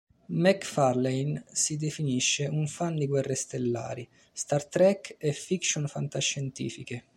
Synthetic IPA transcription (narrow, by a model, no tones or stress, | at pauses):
mɛkfarlejnsid̪efiniʃːeuɱfand̪iɡwɛrːest̪elːa̰ːɾi | st̪art̪ɾɛkɛfikʃonfant̪aʃːɛnt̪ḭːfike